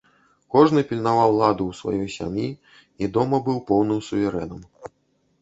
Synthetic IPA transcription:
kɔʐnɨpʲilʲnavawlˠad̪uwsva̰jɔjsʲa̰mʲji | id̪ɔmɐbɨwpɔwnɨmsuvʲɛɾɛnɐm

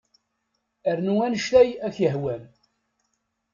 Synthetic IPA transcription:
əɾnuænəʃt̪æjæçjəɦwæn

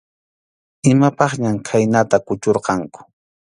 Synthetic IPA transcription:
ɪmapɑχɲamkʰajnat̪akʊt͡ʃoɾqɑŋkʊ̥

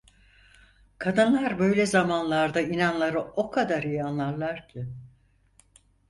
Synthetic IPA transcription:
kʰad̪ɯnlˠaɾbø̞jlʲɛzamanlˠaɾd̪ainanlˠaɾɯo̞kʰad̪aɾijanlˠaɾlˠaɾcʰɪ

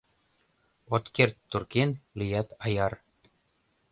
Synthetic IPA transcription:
ot̪kert̪ːurkenlijæt̪ɑjɑr

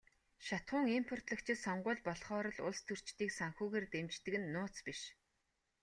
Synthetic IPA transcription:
ʃat̪χʊːŋimpʰɔr̥t̪ɮə̆kt͡ɕʰɪ̆t̪sɔɴɢʊːɮpɔɮχɔːɾɞ̆ɮʊɮst̪ʰɵr̥t͡ɕt̪iːksaŋxuːɣeːrt̪emt͡ɕt̪ɘ̆kɘ̆nːʊːt͡spiʃ

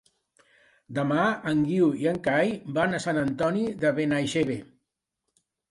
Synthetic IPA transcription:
d̪əmaəŋɡiwiəŋkajbanəsanənt̪ɔniðəβenajʃeβe

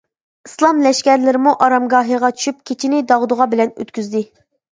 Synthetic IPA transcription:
islˠɑmlɛʃkʲɛɾlɪɾɪmuʔɑɾɑmɡɑːɦiʁɑt͡ʃʰy̥ʃyp̚kʲʰet͡ʃʰinɪd̪ɑʁd̪ʊʁɑbɪlɛnø̰t̪kʲyzd̪ɪ

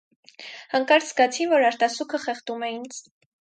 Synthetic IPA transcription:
həŋkɑɾsɡɑt͡sʰinvɔɾɑɾt̪ɑsukʰəχɛχt̪umɛind͡z

